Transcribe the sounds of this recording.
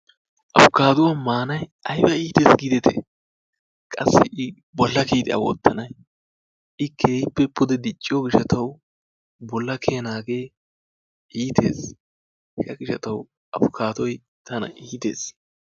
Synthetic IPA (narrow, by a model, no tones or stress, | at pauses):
ʔɐfʊkaːd̪ʊwamaːnɐjɐjbɐiːt̪eːsɡɪd̪ɛt̪ʰɛ̰ | kʼɐsːɪʔɪ | bɔlːɐkiːt̪ɪɐ̰wɔ̰t̪ːɐnɐj | ʔɪkʰe̞ːhɪpːɛpːʊd̪ɛd̪ɪt͡ʃʼːɪjɔɡɪʃɐt̪ɐw | bɔlːɐkʰeːnaːɡeː | ʔiːt̪ʰḛːs | kɐɡɪʃɐt̪ɐw | ʔɐfʊkʰaːd̪ɔj | t̪ɐnɐ̰ʔiːt̪ḛːs